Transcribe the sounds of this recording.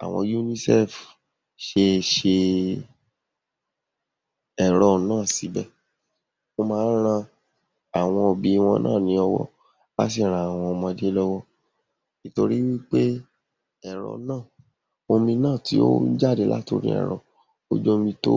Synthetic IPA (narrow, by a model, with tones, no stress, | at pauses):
a̰˨w̃ɔ̰̃˧ju˧nĩ˦sɛ˦˨f | ʃe˧ʃe˧ | ɛ˨ɾɔ˧nãː˦˨si˨˦bɛ˦˨ | o˧mãː˦˧˦n˦ɾ̃ã˧ | a˨w̃ɔ̃˧o˨bi˨˧˦w̃ɔ̃˧nʔãː˦˨nĩ˨˦ɔ˧wɔ̰˧ | la̰˦s̬i˦˨ɾ̃a˨a˨w̃ɔ̃˧ɔ˧mɔ̃˧de˦lɔ˦wɔ˦ | i˨to˧ɾi˦wi˦k͡pe˦ | ɛ˦˨ɾɔ̰˨˧nãː˦˨ | o˧mĩ˧nãː˦˨tʰi˨˦o̰˦d͡ʒa˦˨de˧˦la̰˦to̰˧ɾḭ̃˦ɛ̰˨ɾɔ˨ | o̰˦d͡ʒɔ˦mĩ˧to̰˦